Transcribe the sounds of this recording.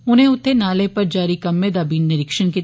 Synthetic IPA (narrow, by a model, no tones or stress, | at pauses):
ʊn̤ɦẽʊt̪ʰːenaːlepɐɾd͡ʒaːɾikɐmːẽd̪aːbiːnːɪɾɪkʃənki